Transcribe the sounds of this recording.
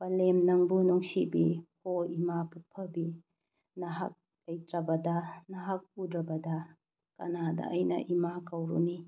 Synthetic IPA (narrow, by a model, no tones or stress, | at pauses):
b̥ɐlemnɐŋbunuŋsibihoimapupʰɐbi | nɐɦa̰k̚ | lɐjtɾɐbɐdɐnɐɦak̚udɾɐbɐdɐ | kɐ̰nadɐ̰ʔːjnɐ̰ʔimakɐwɾṵni